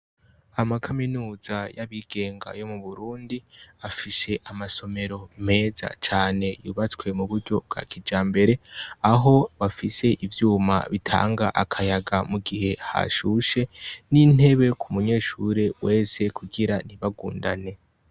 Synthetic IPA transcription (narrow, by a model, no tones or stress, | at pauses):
amakʰaminuːzajaβiːɡ̥e̞ːŋɡa̰jo̞muβuɾuːndiafise̞ʔamaso̞me̞ɾo̞me̞ːza̰t͡ʃaːne̞jṵβat͡skwe̞muβuɾɟo̞b̚ɡa̰kʰid͡ʒaːmbe̞ɾe̞aɦo̞βafise̞ʔivjuːma̰βitʰa̰ːŋɡaʔakʰajaɡamuɡihe̞ha̰ʃuʃe̞nin̥e̞βe̞kʰumuɲe̞ːʃuɾe̞we̞ːse̞kʰuɡiɾaniβaɡuːnda̰ne̞